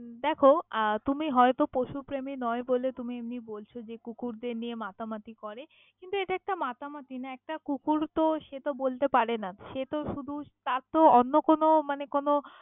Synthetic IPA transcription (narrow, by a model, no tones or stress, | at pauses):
d̪ɛkʰot̪umiɦɔet̪opoʃupɾeminɔebolet̪umiemnibolt͡ɕʰod͡ʑekukuɾd̪eɾniemat̪amat̪ikɔɾe | kint̪ueʈaɛk̚ʈamat̪amat̪inaɛk̚ʈakukuɾt̪oʃet̪obolt̪epaɾenaʃet̪oʃud̪ʱut̪aɾt̪oonːokonomanekono